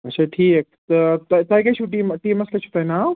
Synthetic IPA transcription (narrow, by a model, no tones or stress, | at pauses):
ɐʃʰaːʈʰiːkt̪ɐt̪ɐt̪aːikɐt͡ʃʰuʈiːmʈiːmɐslɐt͡ʃʰu̥pɐnaː